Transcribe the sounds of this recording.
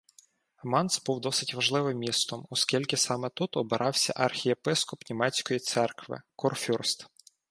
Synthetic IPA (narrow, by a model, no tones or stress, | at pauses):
ɐmɑnsbuwd̪ɔsɪtʲʋɐʒlˠɪʋɪmːʲist̪ɔmɔskʲilʲkʲɪsɑmɛt̪ut̪ɔbɪɾʔɑwsʲɐ̰ʔɐrxʲiepɪskɔpnʲimɛt͡sʲkɔjit̪sɛrkʋɪ̰kɔrfʲurst̪